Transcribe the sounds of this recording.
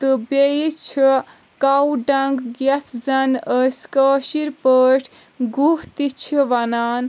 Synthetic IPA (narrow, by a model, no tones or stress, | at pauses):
t̪ɨbejit͡ʃʰi | kawɖɐŋɡɡjɐt͡s̪ʰzɐnəskəːʃiɾpəːʈʰ | ɡuɦt̪it͡ʃʰiʋɐnaːn